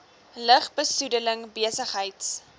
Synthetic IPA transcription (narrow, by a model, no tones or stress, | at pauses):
ləχbəsudələŋbiəsəχɦəjts